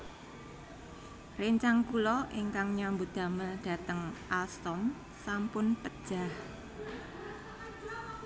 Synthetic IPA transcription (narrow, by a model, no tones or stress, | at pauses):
reɲt͡ʃaŋkulɔʔiŋkaŋɲambud̪̥ä̤məɖ̥a̤t̪əŋʔalst̪ɔm | sampʊnpəd̥ʒ̥a̤h